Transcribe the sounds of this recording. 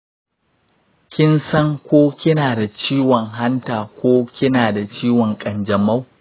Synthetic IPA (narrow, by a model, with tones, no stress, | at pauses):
kʲɪ˦nsɐ˦ŋkʷoː˦kʲɪ˦naː˨da˨t͡ʃiː˦wɔ˨ŋɦa˦ntaː˨kʷoː˦kʲɪ˦naː˨da˨t͡ʃiː˦wɔ˨ŋkʼɐ˨nd͡ʒɐ˨ma˦w